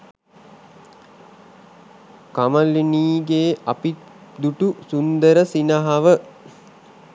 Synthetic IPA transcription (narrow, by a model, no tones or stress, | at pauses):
kamalːiniːɡeːʔapi | d̪uʈusund̪əɾəsinəɦaʋə